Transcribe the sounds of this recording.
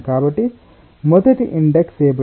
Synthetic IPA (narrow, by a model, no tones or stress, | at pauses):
kaːbɐʈːi | mɔd̪ɐʈiʔiɳɖekseːb